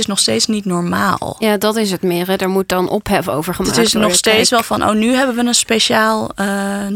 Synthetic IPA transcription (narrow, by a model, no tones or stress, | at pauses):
ɪsnɔχsteːtsnitnɔɹma̰ːlˠjaːdɑtɪs̬ɦətmɪːrɛdəɹmut̚dɑnʔɔ̰pɦɛfəo̰wvəɹχəmaɪsnɔχstejtsʋɛlˠvɑnʔo̰wnyɦɛbənʋənənspeʃaːlˠə